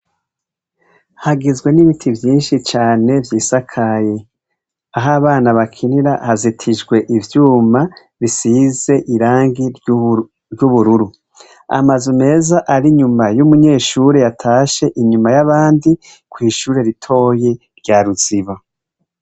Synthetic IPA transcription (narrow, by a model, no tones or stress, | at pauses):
haɡizɡwe̞niβitʰivjiːnʃit͡ʃaːne̞vjiːsakʰaje | aɦaβaːnaβakʰiniɾahazitʰid͡ʒɡwe̞ʔivjuːma | βisiːze̞ʔiɾaːŋɡi | ɾjuβuɾuɾu | a̰mazume̞ːzaʔaɾiɲumajumuɲe̞ːʃuːɾejatʰaːʃe̞ʔiɲumajaβaːndi | kwiːʃuːɾe̞ɾitʰo̞ːje̞ | ɾɟaɾuz̥iβa